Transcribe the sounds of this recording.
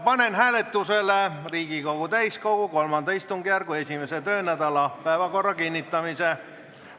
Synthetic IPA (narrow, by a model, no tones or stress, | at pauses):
pɑnenɦæːlet̪ːˑuseleriːɡikoɡut̪æjskoɡuko̞lmɑnd̪̥ɑist̪uŋɡ̥ijærɡ̥ue̞sʲimeset̪øːnæd̪ɑlɑpæevɑko̞rːɑkinʲːit̪ˑːɑmise